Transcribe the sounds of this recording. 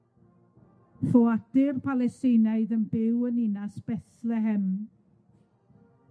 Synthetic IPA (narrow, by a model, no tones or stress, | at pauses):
fɔad̥ɪrpʰalˠɛstɪnaɨðənbɪwəninasb̥ɛθlɛɦɛm